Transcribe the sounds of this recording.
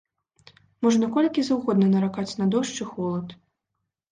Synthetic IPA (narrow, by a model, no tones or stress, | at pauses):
mɔʐnɐkɔlʲkʲizɐwɣɔd̪nɐnɐɾakat͡sʲnɐd̪ɔʂt͡ʂɨxɔlˠɐt̪